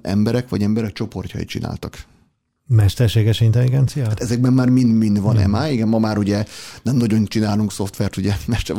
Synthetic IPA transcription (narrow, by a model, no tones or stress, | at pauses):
ʔɛ̰mbɛɾɛkʋɒ̰ɟɛmbɛɾɛk̚t͡ʃo̞po̞rcɒ̰ḭt̪t͡ʃina̰ːlt̪ɒk | mɛʃt̪ɛrʃeːɡɛʃint̪ɛlːiɡɛnt̪sijahat̪ɛzɛɡ̚bɛmːaːrmind̪mind̪ʋɒnɛ̰maːiɡɛmːmɒmaːɾuɟɛnɛmnɒɟo̞nt͡ʃinaːluŋkso̞ft̪ʋɛrt̪uɟɛmɛʃt̪ɛ